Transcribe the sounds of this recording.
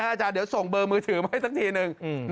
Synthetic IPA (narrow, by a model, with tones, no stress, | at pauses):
t͡ɕaː˨˧˩di˩˦əwso˨˩ŋbɤː˧mɯː˧t̪ʰɯː˩˦ma˦˥˩jsa˦˥t̪ʰiː˧nɯ˨˧ŋ˧˩n